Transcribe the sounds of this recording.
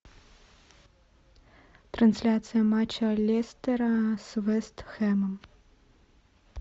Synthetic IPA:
t̪rɐnslʲatsɨjɐmat͡ʃɐlʲest̪ɛɾɐsvɛst̪xɛmɨm

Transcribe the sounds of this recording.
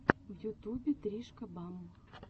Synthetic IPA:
vjut̪ubʲɪt̪ɾʲiʂkɐbamːə

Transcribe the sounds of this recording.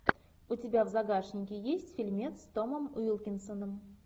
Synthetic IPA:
utʲɪbʲavzaɡaʂnʲɪkʲɪjesʲtʲfʲilʲmʲe̞t̪st̪o̞məmujəlˠkʲɪnsənəm

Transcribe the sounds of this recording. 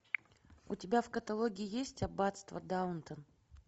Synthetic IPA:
ʊ̰tʲɪbʲafkət̪ɐlˠoɡʲɪɪjesʲtʲɐbat̪st̪və̰d̪aʊnt̪ən

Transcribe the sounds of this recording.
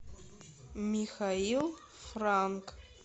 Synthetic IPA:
mixailˠ | fraŋkʰʼ

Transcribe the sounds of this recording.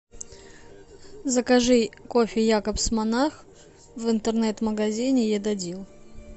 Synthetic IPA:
zəkɐʐɨkofʲɪjakəpsmɐnax | vɨnt̪ɨrnɛt̪məɡɐzʲinʲɪjɛd̪ɐdʲilˠ

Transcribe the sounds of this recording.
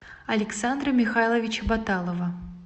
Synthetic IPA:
ɐlʲɪksand̪ɾəmʲɪxajlˠəvʲɪt͡ɕəbɐt̪alˠəvə

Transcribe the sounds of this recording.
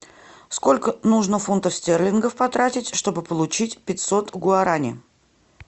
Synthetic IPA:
sko̞lʲkənuʐnəfunt̪əfsʲtʲerlʲɪnɡəfpɐt̪ɾatʲɪtʲʂt̪o̞bɨpəlˠʊt͡ɕitʲpʲɪt̪ʲsot̪ɡʊɐɾanʲɪ̰

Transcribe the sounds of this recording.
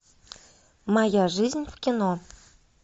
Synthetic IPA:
mɑjaʐɨzʲnʲvkʲino

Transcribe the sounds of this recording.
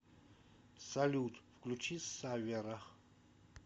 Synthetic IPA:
salʲuːt̪pklut͡ʃʰisːavɛɾa

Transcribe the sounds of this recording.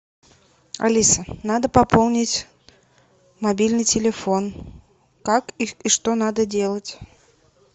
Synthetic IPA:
a̰lʲisənad̪əpɐpʰolˠnʲɪtʲ | mabʲilʲnɨjtʲɪlʲɪfon | kakiʂt̪onad̪ədʲelˠətʲ

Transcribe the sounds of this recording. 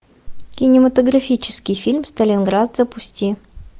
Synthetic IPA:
kʲɪnʲɪmət̪əɡɾɐfʲit͡ɕɪ̥skʲɪjfʲilʲmst̪əlʲɪnɡɾat̪zəpʊsʲtʲi

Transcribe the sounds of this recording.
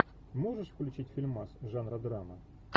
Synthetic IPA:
mo̞ʐɨʂfklʲʉt͡ɕitʲfʲɪlʲmasʐanɾɐd̪ɾamə

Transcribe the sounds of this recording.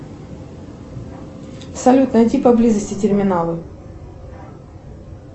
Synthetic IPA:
fsɐlʲut̪nətʲipɐblʲizəsʲtʲɪtʲɪrmʲɪnalˠɨ

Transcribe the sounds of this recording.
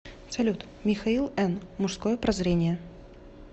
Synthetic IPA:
sɐlʲut̪ | mʲɪxɐilˠɛnmʊʂskojəpɾɐzɾʲenʲɪjə

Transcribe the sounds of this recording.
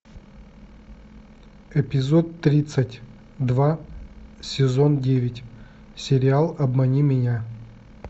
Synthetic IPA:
ɛpʲɪzot̪ːɾʲit̪sətʲ | d̪va | sʲɪzondʲevʲɪtʲ | sʲɪɾʲɪalˠɐbmɐnʲimʲɪnʲa

